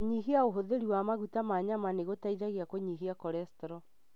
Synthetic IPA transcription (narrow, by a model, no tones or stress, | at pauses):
ɲiɦiaoɦoðeɾiwamaɣutamaɲamaneɣotaiðaɣiakoɲiɦiakɔɾɛstɔɾɔ